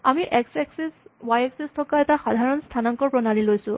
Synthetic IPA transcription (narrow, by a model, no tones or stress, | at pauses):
amiʔɛksɛksiswajɛksistʰɔkaɛtaxadʱaɹɔnstʰanɔŋkɔɹpɹɔnalilojsʊ̃